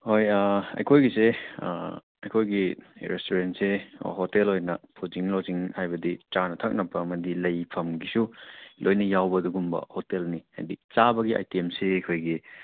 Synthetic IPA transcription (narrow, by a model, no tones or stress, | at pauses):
hojaɐ̰jkʰojɡisḛ | ɐjkʰojɡiɾestoɾentsḛhotelhojnɐpʰuziŋloziŋhajbɐdit͡ʃanɐtʰɐk̚nɐpɐːmɐdilɐjpʰɐmɡisulʔojnɐjawbɐduɡumbɐ̰hotelniha̰jdit͡ʃabɐɡiʔa̰jtiemseɐjkʰojɡi